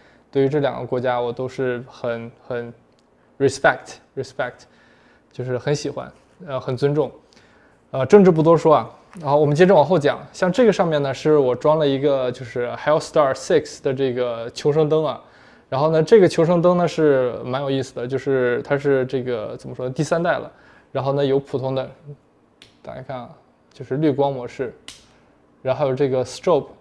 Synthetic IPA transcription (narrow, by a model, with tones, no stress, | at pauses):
t̪we˥˩ɪy˧˥ʈ͡ʂɤ˥˩ljɑ̰˨˩ŋɡə̰˦kwɔ˧˥t͡ɕja˥wɔ˨˩t̪o˥ʊʂɻ̩˥˩xə˨˧˥nxə˨˩˥n | ɻɛ˨˩spɛ˥˩k̚t̪ʰɻi˧˩spɛ˥˩k̚tʰ | t͡ɕjo˥˧ʊʂ̬ɻ̩˥˩xə˧˥nɕi˨˩xwa̰˥n | ə˧xə˨˩nt͡swə˥nʈ͡ʂʊ˥˩ŋ | ə˧ʈ͡ʂɤ˥˧ŋʈ͡ʂɻ̩˥˩p̬u˥˩t̪wɔ˥ʂwɔ˥ɐ˨˩ | ə˥˩wɔ˨˩mə˦nt͡ɕjɛ˥ʈ͡ʂə˥˩wɑ˨˩˥xo˥˩ʊt͡ɕjɑ̰˨˩˦ŋɕjɑ˥˧ŋʈ͡ʂɤ˥˩ɡə˩ʂɑ˥˧ŋmjɛ˥˩nnə˩ʂɻ̩˥˩wɔ˨˩ʈ͡ʂwɑ˥ŋlə˨i˧˥ɡə˧t͡ɕjo˥˧ʊʂɻ̩˥˩xɛ˥st̪ɑ˥˩sɛ˥˩ksd̪ə˩ʈ͡ʂɤ˥˩ɡə˩t͡ɕʰjo˧˥ʊʂ̬ɤ˥ŋt̪ɤ˥ŋɐ˨˩ | ɻa˧˥nxo˥˩ʊnə˩ʈ͡ʂɤ˥˩ɡə˩t͡ɕʰjo˧˥ʊʂ̬ɤ˥ŋt̪ɤ˥ŋnə˧ʂɻ̩˥˩ma˧˥njo˨˩ʊi˥˩sɹ̩˩d̪ə˩˦t͡ɕjo˥˧ʊʂɻ̩˥˩t̪ʰa˥ʂ̬ɻ̩˥˧ʈ͡ʂɤ˥˩ɡə˩t͡sə˨˩nmə˦ʂwɔ˥d̪ə˧t̪i˥˩sa˥nt̪a˥˩ɪlə̰˩ | ɻa˧˥nxo˥˩ʊnə˩jo˧˥ʊpʰu˨˩t̪ʰʊ˧˥ŋd̪ə˧ | t̪a̰˥kʰa̰˥ɪkʰa˥˩n | t͡ɕjo˥˧ʊʂɻ̩˥˧ly˥˩kwɑ˥ŋmwɔ˧˥ʂɻ̩˥˩ | ɻa˧˥nxjo˨˩ʊʈ͡ʂɤ˥˩ɡə˩sʈ͡ʂo˥˩pʰ